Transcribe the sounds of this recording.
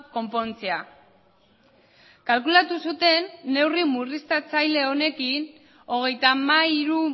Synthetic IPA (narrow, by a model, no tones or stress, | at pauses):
ko̞mpo̞nt͡sea | kalkulat̪usut̪e̞nːe̞wrimurist̪at͡sajle̞o̞ne̞kin | o̞ɣ̞e̞jt̪amaiɾu